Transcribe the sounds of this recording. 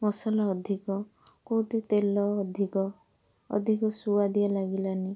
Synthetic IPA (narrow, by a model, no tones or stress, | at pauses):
mɔsalaɔd̪ʱikɔ | kot̪et̪elɔd̪ʱikɔ̰ː | d̪ʱikɔsuwad̪ijalaɡilani